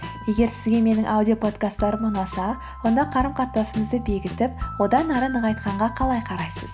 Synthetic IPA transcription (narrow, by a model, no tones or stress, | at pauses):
je̞ɡʲe̞ɾsɪzɡʲe̞me̞nɪŋʔawd̪io̞pʰo̞t̪kast̪ːɑɾəmʊnɑsɑ | wo̞nd̪ɑqʰɑɾəmqʰɑt̪ːɑsəməzd̪əbe̞ɡʲɪt̪ɪp̚wo̞d̪ɑnɑɾənəʁɑjt̪qɑɴʁɑqʰɑlˠɑjqʰɑɾɑjsəz